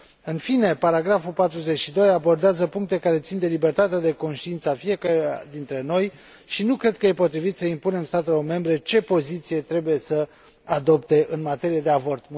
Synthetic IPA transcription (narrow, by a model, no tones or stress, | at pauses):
ɨnfine̞paɾaɡɾafupat̪ɾuze̞t͡ʃʃid̪o̞jabo̞rd̪eazəpuŋk̚t̪e̞kaɾe̞t̪sind̪e̞libe̞rt̪at̪ead̪e̞ko̞nʃt̪iint̪səafie̞kaɾɾad̪int̪ɾe̞no̞j | ʃinukɾe̞d̪̚kəje̞po̞t̪ɾivit̪səimpune̞mst̪at̪e̞lo̞rme̞mbɾe̞t͡ʃe̞po̞zit̪sije̞t̪ɾe̞buje̞sə | ad̪o̞pt̪e̞ʔɨnmat̪e̞ɾijed̪e̞avo̞rt̪m